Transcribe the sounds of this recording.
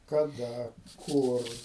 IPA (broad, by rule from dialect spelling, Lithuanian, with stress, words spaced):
kɐˈdɐ ˈkʊr